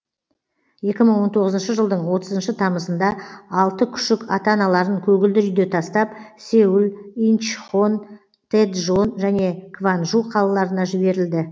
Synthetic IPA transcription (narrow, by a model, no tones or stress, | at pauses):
je̞kʲɪməɴwo̞nt̪ʰo̞ʁəzənʃəʒəlˠd̪əɴwo̞t̪əzənʃət̪ʰɑməsənd̪ɑɑlˠt̪əkʲʰʏ̥ʃɪkɑt̪ɑnɑlˠɑɾəɴkʲʰɵɡʲɪld̪ɪʏjd̪e̞t̪ʰɑst̪ɑpse̞wɪlinʃon | t̪ʰed̪ʒo̞nʒæne̞kʰvanʒuqʰɑlˠɑlˠɑɾənɑʒɪbe̞ɾɪld̪ɪ